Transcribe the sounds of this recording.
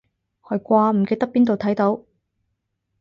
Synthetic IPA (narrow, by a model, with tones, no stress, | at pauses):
hɔ˨˧jkʷaː˧m̩˨˩ke˧jt̪ɐ˥k̚piː˥nt̪o˨wt̪ʰɐ˨˥jt̪o˨˥w